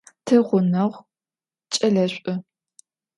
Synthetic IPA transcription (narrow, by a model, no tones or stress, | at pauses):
tʰɐʁʷʊnɐʁʷ | t͡ʃʼɐɮɐɕʷʼɐ